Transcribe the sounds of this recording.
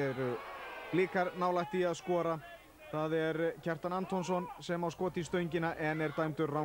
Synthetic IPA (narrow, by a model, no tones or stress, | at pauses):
ɛɾʏliːkaɾnaːwlaht̪iaðskɔːɾa | θaðɛɾcʰɛr̥t̪anant̪ʰɔnsɔnsɛmawskɔːt̪ist̪œːɥɲcɪnaʔɛnɛɾt̪aːjmt̪ʏɾra